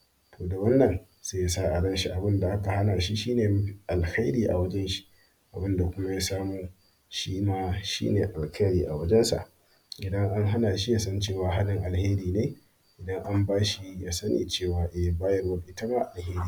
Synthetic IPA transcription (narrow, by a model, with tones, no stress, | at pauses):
toː˨da˨wɐ˦nːɐ˨n | saː˦ja˦saː˦ʔa˨dɐ˦nʃi˦ʔa˨bɪ˦nda˨ʔa˦ka˨ha˦naː˨ʃi˦ʃiː˦neː˨m˦˨ʔa˨lxa˦jɾiː˨ʔa̰˨wɐ˦d͡ʒɛ˦nʃi̥˦ | ʔa˨bɪ˦nda˨kʷʊ˦ma˦jaː˦saː˦muː˦ | ʃiː˦maː˦ʃḭː˦neː˨ʔa˨lka˦jɾiː˨ʔa˨wɐ˦d͡ʒɛ˦nsa̰˨ʔ | ʔɪ˨dɐ˦ŋʔa˦ŋɦa˦naː˨ʃi˦jaː˨sɐ˦nt͡ʃeː˦˨waː˨ɦa˦lɪ˨ŋʔa˨lheː˦ɾiː˨neː˦ | ʔɪ˨dɐ˦ŋʔa˦mbaː˦ʃi˦jaː˦sɐ˦nḭː˨t͡ʃeː˦˨waː˨ʔɛ˨baː˦jɐ˦rwɐ˦ʔɪ˦ta˦maː˦ʔa˨lheː˦ɾiː˨